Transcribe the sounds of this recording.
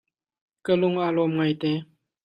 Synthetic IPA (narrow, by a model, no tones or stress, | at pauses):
kəlʊŋʔalɔmŋajt̪ɛ